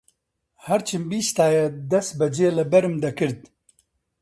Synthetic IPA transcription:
hɐɾt͡ʃʰɨmbiːst̪aːjed̪ɐs̚bɐd͡ʒeːlɨbɐɾɨmd̪ɐkɨɾd̪̚

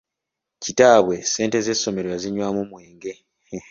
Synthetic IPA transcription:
citaːβwe̞se̞ːnte̞zeso̞me̞ɾoeziɲwaːmumwe̞ːŋɡe̞

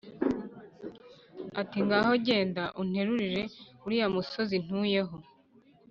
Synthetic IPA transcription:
atiŋɡaho̞ɟe̞ːndaʔun̥e̞ɾuɾiɾe̞uɾijamuso̞zin̥uːje̞ɦo

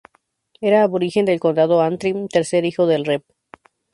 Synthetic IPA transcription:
e̞ɾaːβoɾixe̞nd̪elko̞nd̪að̞oant̪ɾimt̪e̞ɾse̞ɾixoðelrep̚

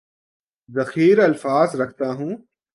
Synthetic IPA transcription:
zɐxiːɾɐlfaːzɾɐkʰt̪aɦũː

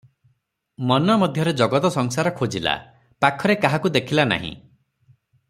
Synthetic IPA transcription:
mɔnɔmɔd̪ʱjɔɾed͡ʒɔɡɔt̪ɔsɔŋsaɾɔkʰod͡ʒila̰ | pakʰɔɾekaɦakud̪ekʰilana̰ɦḭ̃

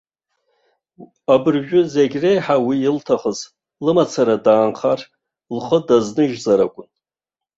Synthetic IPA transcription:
abɨrʒᶣʊzeɡʲre̞jħawiːltʰaχəz | lɨmat͡sʰaɾadaːnχar | lχədaznɨʒzaɾakʷʼʊn

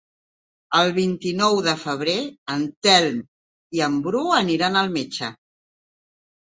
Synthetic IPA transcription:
əlˠβ̞int̪inɔwðəfəβ̞ɾeənt̪ɛlm | iəmbɾuəniɾanəlˠmet͡ʃə

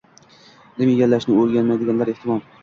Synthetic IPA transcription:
nɪmjeɡʲalːaʃnɪɵɾɡʲanmajd̪ɪɡʲanlaɾe̞ht̪ʰɪmɒm

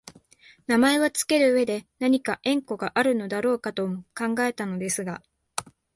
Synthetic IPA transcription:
namae̞βat͡sɨ̥ke̞ɾɯ̟ːe̞d̪e̞naɲ̟ikaʔẽ̞ŋko̞ɡaʔaɾɯ̟no̞d̪aɾo̞ːkat̪o̞mokãŋɡae̞t̪ano̞d̪e̞sɨɡa

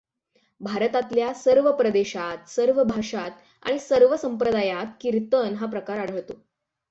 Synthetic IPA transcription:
bʱaɾət̪at̪ljasəɾʋəpɾəd̪eɕat̪səɾʋəbʱaʂat̪̚ | a̰ɽ̃isəɾʋəsəmpɾəd̪ajat̪̚kiɾt̪ənɦap̬ɾəkaɾaɽ̤əʋt̪o

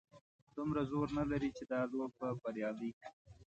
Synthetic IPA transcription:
d̪̥ʊmɾazoɾnalaɾit͡ʃed̪ɑloɡ̚pabaɾjɑd̪i

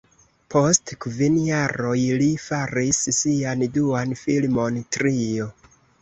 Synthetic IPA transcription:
po̞stkvinjaɾo̞jlifaɾissianduanfilmo̞ntɾio̞

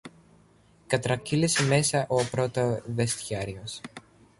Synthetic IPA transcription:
kɐt̪ɾɐciliseme̞sɐʔo̞pɾo̞t̪oðest̪çɐɾio̞s

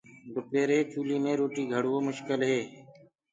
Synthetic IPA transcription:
d̪ʊpeːɾeːt͡ʃʰuːliːmẽːɾoːʈiːɡʱəɽʋoːmʊʃkɪlɦeː

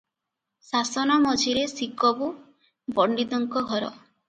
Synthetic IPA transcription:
sasɔnamɔd͡ʒʱiɾesikɔbu | bɔɳɖid̪ɔŋkɔɡʱɔɾɔ̰

